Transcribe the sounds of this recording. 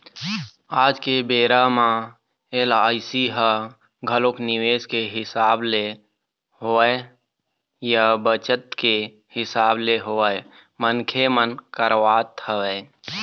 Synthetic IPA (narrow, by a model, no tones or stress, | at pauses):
aːd͡ʒkebeːɾamã | elaːɪsiɦə | ɡʱəloknɪweːskeɦɪsaːble | ɦoːe | jəbət͡ʃət̪̚ke | hɪsaːbleɦoe | mənkʰemənkəɾwaːt̪ʰəʋɛː